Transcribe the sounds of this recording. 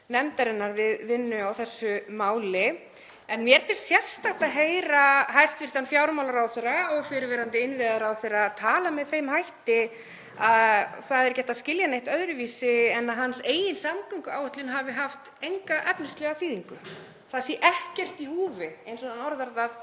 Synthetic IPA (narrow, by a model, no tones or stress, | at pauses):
nɛmt̪aɾɪnːaɾvɪðvɪnːʏawθɛsːʏmaːwlɪ | ɛnmjɛɾ̥fɪn̥st̪sjɛr̥st̪aht̪aðɦeːjɾaɦajst̪fir̥t̪anfjaːwɾmawlaɾawθɛɾaɔɣfɪɾɪɾvɛːɾant̪ɪɪnvɪðaɾawθejɾaðt̪ʰaːlamɛðθejmhajht̪ɪ | aðθaðɛɾ̥cɛht̪aðscɪljanejht̪œðɾʏviːsɪɛnːaðɦanseːjɪnsamkʏŋkʏaːwhʏt̪lɪnɦavɪɦaft̪ejŋkaʔɛpnɪst̪lɛɣaθiːðiŋkʏ | θasiɛʔɛhcɛr̥t̪ihuːvɪejnsɔnanɔɾðaɾðað